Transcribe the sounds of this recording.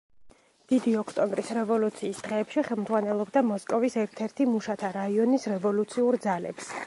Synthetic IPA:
d̪̥id̪iɔkʰt̪ʼɔmbɾisɾɛvɔlut̪sʰiːsd̪̥ʁɛːpʃiχɛlˠmd̪zʁwanɛlˠɔbd̪amɔskʼɔvisɛɾt̪ʰɛɾt̪ʰimuʃat̪ʰaɾaiɔnisɾɛvɔlut̪sʰiuɾd̪zalɛ̰ps

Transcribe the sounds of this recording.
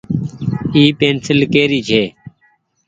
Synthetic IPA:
iːpeːnsɪlkeːɾiːt͡ʃʰeː

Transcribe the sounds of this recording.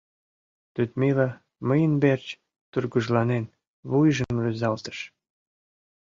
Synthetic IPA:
t̪yt̪melɑ | məjənbert͡ɕ | t̪urɡuʒlɑnen | βujʒəmrøzɑlt̪ə̥ʃ

